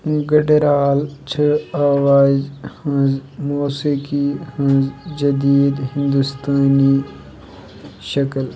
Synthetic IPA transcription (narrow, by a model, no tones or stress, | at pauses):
ɡɐɖeɾaːlt͡ʃʰəaːwaːzhɐ̃zmoːsikihɐ̃zd͡ʒɐd̪iːd̪ɦɪ̃nd̪ust̪aːni | ʃɐkəl